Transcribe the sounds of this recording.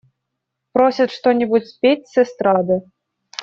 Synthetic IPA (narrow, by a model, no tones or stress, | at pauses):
pɾosʲɐt̪ʂt̪onʲɛbutʲsʲpʲetʲsʲɛst̪ɾɑd̪ɨ